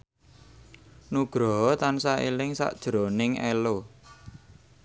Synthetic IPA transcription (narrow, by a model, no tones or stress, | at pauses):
nuɡ̥ɾɔɦɔt̪ansailɪŋsa̰ʔd̥ʒ̥ɾonɪŋʔɛlo